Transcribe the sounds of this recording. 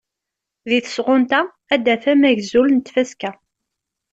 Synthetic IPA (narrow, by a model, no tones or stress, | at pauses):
ðiθə̥sʁʊnt̪æ | æd̪æθæmæʝzulnt̪fæskæ